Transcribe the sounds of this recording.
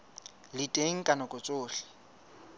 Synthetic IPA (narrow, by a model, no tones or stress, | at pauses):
lɪtʼeŋ̩kʼanɔkʼʊt͡sʼʊːɬɪ̥